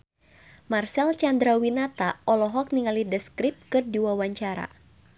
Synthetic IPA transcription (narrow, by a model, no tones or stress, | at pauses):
marsɛlt͡ʃand̪ɾawinat̪aʔɔlɔɦɔk̚niŋalidɛskɾip̚kɨrdiwawaɲt͡ʃaɾa̰